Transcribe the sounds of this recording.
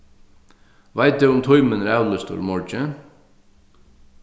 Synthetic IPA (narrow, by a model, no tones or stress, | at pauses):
ʋæɪt̪̚d̪eːʊmt̪ʰɔʏmənɾæʊləst̪ṵːɾmɔɹd͡ʒə